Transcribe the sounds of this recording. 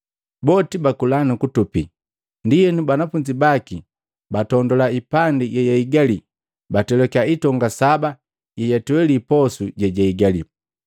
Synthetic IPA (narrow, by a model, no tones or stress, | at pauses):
bɔtibakulanukutupḭ | ndijɛnubanafuɲd͡ʒibaki | batɔndɔlaipandijɛjaiɡali | batɛlɔkaitɔŋɡasaba | jɛjatuwɛlipɔsuɟɛɟaiɡalḭ